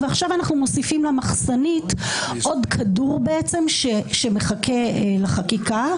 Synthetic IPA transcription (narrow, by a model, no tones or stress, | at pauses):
veaχʃavanaχnumosifimlamaχsanitʔo̞dkʰaduʁbeet͡se̞mʃeʃemeχakʰe̞laχakika